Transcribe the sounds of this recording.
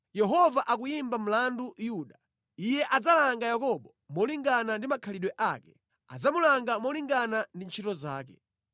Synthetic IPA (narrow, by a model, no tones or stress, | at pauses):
jɛɦɔvaʔakujimbam̩landujuːɗa | ijɛʔad͡zalaŋɡajakɔɓɔ | mɔliŋɡanandimakʰaliɗwɛʔaːkɛ | a̰d͡zamulaŋɡamɔliŋɡanandint͡ʃʰitɔza̰ːkɛ̰